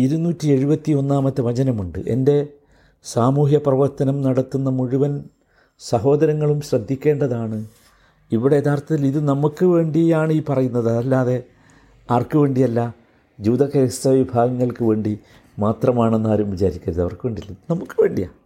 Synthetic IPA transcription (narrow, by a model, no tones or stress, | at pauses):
iɾunːuːtːie̞ɻubɐt̪ːio̞nːaːmɐt̪ːɨʋɐd͡ʑɐnɐmuɳɖɨ̰ʔe̞̰nde̞ | saːmuːɦjɐprɐʋɐrt̪ɐnɐmnɐɽɐt̪ːunːɐmuɻuʋɐn | sɐɦo̞ːd̪ɐɾɐŋːɐɭumɕrɐd̪ʱːikʲːe̞ːɳɖɐðaːɳɨ | iʋiɽeet̪ʰaːrt̪ɐt̪ːiliðɨnɐmukːɨʋe̞ːɳɖijaːɳiːpɐrɐjunːɐðɐðɐlːaːðe̞ | ɐʋɐrkɨʋe̞ːɳɖijɐlːɐ | d͡ʑuːd̪ɐkɐjsɐʋibʱaːɡɐŋːɐɭkɨʋe̞ːɳɖi | maːt̪rɐmaːɳenːaːɾumʋit͡ɕaːɾikʲːɐɾɐðɐʋɐrkɨʋe̞ːɳɖiɐlːɐnɐmukːɨʋe̞ːɳɖija̰ː